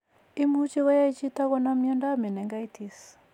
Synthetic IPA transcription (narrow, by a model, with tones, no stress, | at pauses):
i˦mu˦t͡ʃi˦ɣɔ˦ja˦i˦t͡ʃi˦ta˦ɣɔna˦mi˦ɔ˦nda˦mɛ˨nɛ˨ŋɡa˦i˦ti˦s